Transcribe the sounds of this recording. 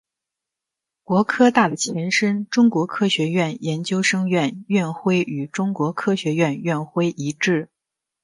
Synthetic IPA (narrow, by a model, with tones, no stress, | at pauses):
kwɔ˧˥kʰɤ˥t̪a˥˩d̪ə˩t͡ɕʰjɛ˧˥nʂə˥nʈ͡ʂʊ˥ŋkwɔ˧˥kʰɤ˥ɕɥɛ˧˥ɥɛ˥˩njɛ˧˥nt͡ɕjo˥ʊʂɤ˥ŋɥɛ˥˩nɥɛ˥˩˧nxwe˥ɪy˨˩ʈ͡ʂʊ˥ŋkwɔ˧˥kʰɤ˥ɕɥɛ˧˥ɥɛ˥˧nɥɛ˥˩nxwe˥ɪʔi˧˥ʈ͡ʂɻ̩˥˩